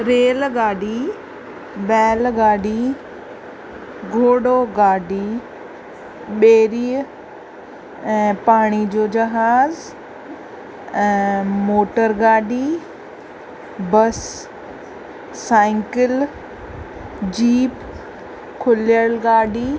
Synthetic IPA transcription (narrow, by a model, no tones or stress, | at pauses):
ɾeːlɡaːɖi | bɛːlɡaːɖi | ɡʱoːɽoɡaːɖi | ɓeːɾiː | ɛ̃ːpaːɽ̃id͡ʑoːd͡ʑɐɦaːz | ɛ̃ːmoːʈəɾɡaːɖi | bɐs | ãːɪ̃ŋkɪl | d͡ʑiːp | kʰʊlɪjəlɡaːɖi